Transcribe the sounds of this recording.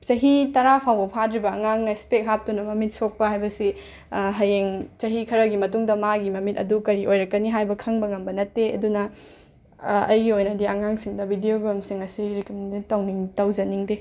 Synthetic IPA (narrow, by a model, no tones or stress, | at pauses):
t͡ʃɐɦitɐɾapʰawbɐpʰadɾibɐɐŋaŋnɐspek̚ɦap̚tunɐmɐmit̚sok̚pɐhajbɐsi | ɦɐjeŋt͡ʃɐɦikʰɐɾɐɡimɐtuŋdɐmaɡimɐmitɐ̰dukɐɾiʔojɾɐkːɐniɦajbɐkʰɐŋbɐŋɐmbɐnɐtːeɐ̰dunɐ | ɐjɡiojnɐdiɐŋaŋsiŋdɐbidijoɡɾɐmsiŋɐsiɾikɐmnitɐwniŋtɐwzɐniŋdi